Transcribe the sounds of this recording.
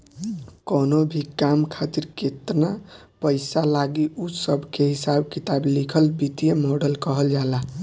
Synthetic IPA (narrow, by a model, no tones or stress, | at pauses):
konobʱikamkʰat̪iɾket̪na | pəɪsalaɡiʔusəbʱkeɦisabkit̪ablikʰəlbit̪ijemɔɖəlkəɦəld͡ʒala